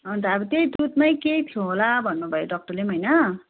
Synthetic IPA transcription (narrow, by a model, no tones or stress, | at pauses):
ʌnt̪ʌʌbʌt̪ejd̪ut̪majkejt̪ʰjoɦolabʱʌnːubʱʌjoɖʌk̚ʈʌlemɦʌjnʌ